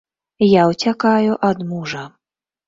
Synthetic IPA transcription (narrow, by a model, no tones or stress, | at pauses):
jawt͡sʲakajuʔɐd̪muʐɐ